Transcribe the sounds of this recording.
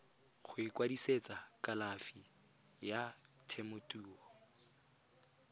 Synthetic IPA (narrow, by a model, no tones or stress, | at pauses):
χʰʊɪkʼwadiset͡sʼakʼalafi | jatʰemʊtʼuːɔ